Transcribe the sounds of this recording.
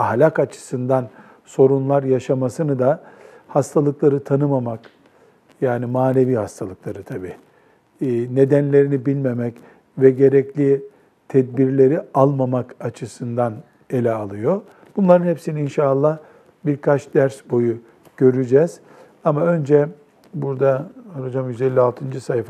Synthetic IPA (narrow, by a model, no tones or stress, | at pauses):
ahlʲakat͡ʃʰɯ̥sɯnd̪an | so̞ɾunlˠaɾjaʃamasɯnɯd̪ahast̪ʰalˠɯklˠaɾɯt̪ʰanɯmamak | jaːnimaːne̞viːhast̪ʰalˠɯklˠaɾɯt̪ʰabiː | ne̞d̪ænlʲe̞ɾinibilʲme̞mɛc | vɛɟe̞ɾɛclʲi | t̪ʰɛd̪̚biɾlʲe̞ɾialˠmamakat͡ʃʰɯsɯnd̪an | e̞lʲɛalˠɯjo̞ | b̥unlˠaɾɯnhɛpsiniinʃaːlˠːah | biɾkʰat͡ʃd̪̥æɾsbo̞ju | ɟ̥ø̞ɾyd͡ʒɛz̥ | amaø̞nd͡ʒɛ | buɾd̪aaɾod͡ʒamjyzɛlʲːialˠt̪ʰɯnd͡ʒɯsajf